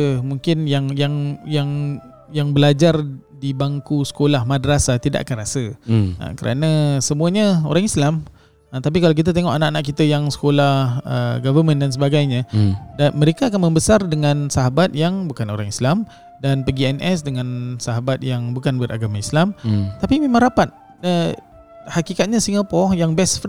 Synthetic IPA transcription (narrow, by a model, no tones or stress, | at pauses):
muŋkɪnjaŋjaŋjaŋ | jaŋbəlad͡ʒardibaŋkusə̥kolahmadəɾasat̪ida̰ʔa̰kanrasəa̰kəɾʔa̰nãsəmuaɲao̰ɾaŋislam | t̪ap̬ikalawk̬it̪̬at̪eŋɔʔanaʔanaʔkit̪əjaŋsə̥kolahə̰ɡavəmə̃ndans̬əbaɡajɲãdanməɾekaːkanməmbəsardəŋãnsaɦabat̪̚jaŋbukano̰ɾaŋislam | danpəɡiɛnʔɛsdəŋãnsaɦabat̪̚jaŋbukanbəra̰ɡamaislamt̪apimẽmãŋɾapat̪̚ | ə | hakikat̪̚ɲasiŋapɔjaŋbɛsf